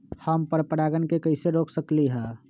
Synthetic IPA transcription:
həmpəɾpəɾaːɡənkekəɪseɾoːkʰsəkliɦɛ̃ː

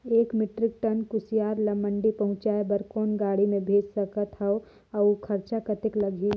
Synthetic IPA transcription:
eːkmɪʈɾɪk̚ʈɐnkʊsijaːɾlɐmə̃ɳɖipɐɦʊ̃t͡ʃaːebɐɾkoːnɡaːɽimẽbʱeːd͡ʒsɐkət̪ʰɐo | ɐkʰɐɾt͡ʃakɐt̪ɪklɐɡʱiː

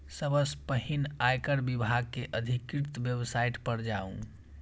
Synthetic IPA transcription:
səbəspəɦinajkəɽbibʱaɡ̚keʔəd̪ʱikɾɪt̪bjəbsaiʈpəɾd͡ʒaṵ̃

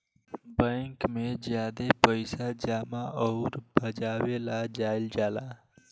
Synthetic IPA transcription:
bɛ̃ːŋkmẽzjaːd̪epəɪsad͡ʒaːmaʔɔːɾbʱəd͡ʒaːʋelad͡ʒaːɪld͡ʒaːlaː

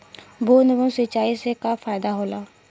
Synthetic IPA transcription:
boːnəbənset͡ʃaːisekafaːjd̪aɦoːlaː

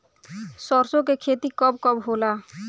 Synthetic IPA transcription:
sɔɾsõk̬ekʰeːt̪ikəb̚kɔbɦola

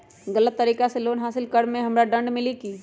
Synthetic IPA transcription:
ɡɐlət̪ːɐɾiːkaseloːnɦaːsɪlkəɽmẽɦɐmɾaɖɐ̃ɳɖmɪlikiː

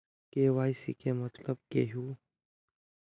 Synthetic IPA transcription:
keʋaːjsḭkẽmət̪ləb̚keɦuː

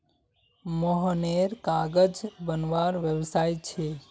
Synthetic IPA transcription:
moɦəneɾkaɡəd͡ʒbənʋaɾʋjəwsajt͡ʃʰe

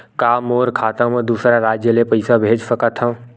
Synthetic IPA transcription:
kaːmoːɾkʰaːt̪ãmed̪usɾaɾaːd͡ʒjəlepəɪsabʱeːd͡ʒsəkət̪ʰɦə̃

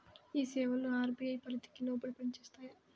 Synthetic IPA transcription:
iːsɛːʋɐloːaːɾbiːɐjpɐɾɐt̪i̥kiloːbɐɽipɐɳit͡ʃeːst̪aːja

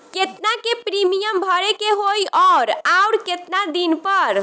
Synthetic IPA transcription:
ket̪nakepɾimijəmbʱʌɾekeɦojʔɔɾaʊɾket̪nad̪inpəɾ

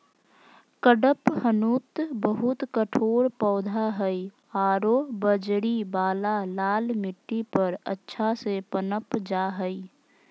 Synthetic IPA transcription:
kəɖəphənuːt̪bəɦʊt̪kəʈʰoːɾpɔːd̪ʱaɦəi | aːɾobəd͡ʒɽibaːlalaːlmɪʈːipəɾə̰tːʃʰasepənəpd͡ʒaːɦəi

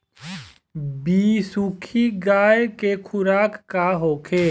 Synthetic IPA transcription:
biːsukʰiɡaːjkekʰʊɾaːkːaɦoːkʰeː

